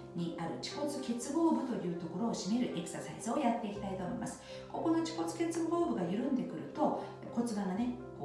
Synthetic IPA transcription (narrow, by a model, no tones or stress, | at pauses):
ɲ̟iaɾɯ̟t͡ɕi̥ko̞t͡sɨke̞t͡sɨɡo̞ːbɯ̟t̪o̞jɯ̟ːt̪o̞ko̞ɾo̞ːɕime̞ɾɯ̟ʔe̞kɯ̟̥sasa̰iz̥ɨo̞jat̪ːe̞ikʲi̥t̪ait̪o̞ːmoimasɨ̥ | ko̞ko̞no̞t͡ɕi̥ko̞t͡sɨ̥ke̞t͡sɨɡo̞ːbɯ̟ɡajɯ̟ɾɯ̟̃nd̪e̞kɯ̟ɾɯ̟t̪o̞ | ko̞t͡sɨbaɡane̞kː